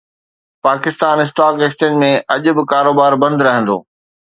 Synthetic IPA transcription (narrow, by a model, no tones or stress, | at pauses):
paːkɪst̪aːnɪs̬ʈaːkeːkst͡ɕẽːd͡ʑmẽʔɐʄʊ̆bɪkaːɾoːbaːɾbɐ̃nd̪ɾɐɦə̃nd̪o̰ː